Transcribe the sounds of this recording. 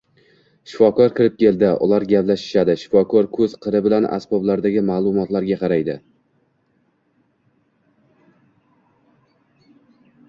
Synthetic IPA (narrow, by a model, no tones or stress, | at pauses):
ʃɪ̥fɒkɒɾkʲʰɪɾɪp̚kʲe̞ld̪ɪʔʊ̰lˠaɾɡʲaplaʃɪ̥ʃad̪ɪʃɪ̥fɒkʰɒɾkʰɵz̥qʰɨɾɪbɪlana̰sbɒblaɾd̪aɡʲɪmaːlˠʊmɒt̪laɾɡʲaqʰɑɾajd̪ɪ